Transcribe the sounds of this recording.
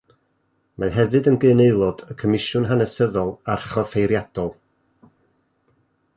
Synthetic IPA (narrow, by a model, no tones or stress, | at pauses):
maðɦɛvɨdənɡɨneɨlˠɔdəkʰəmɪʃʊnɦanəsəðɔlˠarχɔfejɾjad̥ɔlˠ